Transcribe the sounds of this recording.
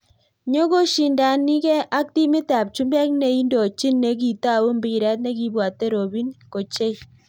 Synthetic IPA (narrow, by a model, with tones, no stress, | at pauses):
ɲo˦ko˦ʃi˨nda˨ni˦kɛ˦ʔa˦k̚ti˦mɪ˦ta˨p̚t͡ʃu˦mba˦k̚ne˨i˦ndo˨t͡ʃi˦nːe˨˦k̬i˨ta˦˨wo˦mbi˦ɾɛ˦t̬̚ne˦ki˦bwa˨te˦ɾo˨bi˦nko˨t͡ʃe˦